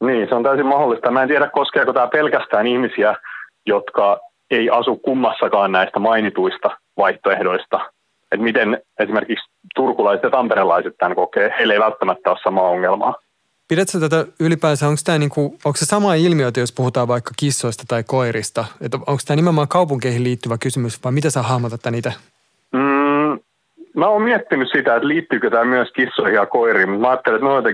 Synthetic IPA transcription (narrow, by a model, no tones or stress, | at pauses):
niːnseont̪æysimɑholːist̪ɑmæːnt̪iæɾækkoskeːkot̪æːpelkæst̪æːnihmisiæ | jot̪kɑ | eiʔɑsukkumːɑsːɑkɑːnnæist̪æmɑinit̪uist̪ɑ | ʋɑiht̪oehdoist̪ɑ | et̪mit̪enesimerkiks | t̪urkulɑiset̪jɑt̪ɑmpeɾelɑiset̪ːænkokeːheilːeiʋælt̪ːæmæt̪ːæossɑmɑːoŋːelmɑ̰ː | piɾæt̪sæt̪æt̪æylipæːsæoŋkst̪æːniːŋkuoŋksesɑmɑːilmioit̪æjospuhut̪ɑːʋʋɑikːɑkisːoist̪ɑ̥t̪ɑikoiɾist̪ɑet̪oŋkst̪æːnimeomɑːkɑupuŋkeihiliːt̪ːyʋækysymysʋɑimit̪æsɑːhɑhmot̪ɑt̪ːæniːt̪æ | m̩ː | mæoːmiɛt̪ːinyssit̪æet̪liːt̪ːykøt̪æːmyøskisːoihiɑkoiɾiːmut̪mæɑːt̪ːeliet̪miuot̪e